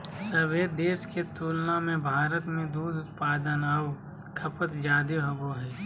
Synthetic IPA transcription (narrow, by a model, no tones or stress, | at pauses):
sɐʋeːd̪d̪eːʃket̪uːlnamẽbʱaːɾət̪mẽd̪uːd̪ʊt̪paːd̪ənɐʋ | kʰɐpət̪d͡ʒaːd̪iɦɐɡoɦɛː